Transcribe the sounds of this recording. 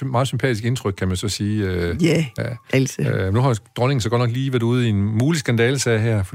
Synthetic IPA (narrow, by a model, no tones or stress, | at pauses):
mɑ̈ːð̩ˠsympʰɛ̰ːd̥isɡ̥e̝nt͡sʰʁœɡ̥̚kʰæmænsɒ̽siːøææʔælsnuhɑ̈d̥ʁɔ̽ne̝ŋ̩sɒ̽ɡɒ̥̽nɒ̽ɡ̥liːʋæɐd̥uð̞̰ˠienmuːlisɡ̥ænd̥ɛːləsɛɪɦæɐ̰fɒd̥